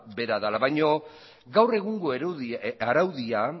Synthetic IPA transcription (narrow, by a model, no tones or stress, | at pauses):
be̞ɾaðalaβajɲo̞ | ɡawre̞ɣuŋɡo̞eɾaɾawðia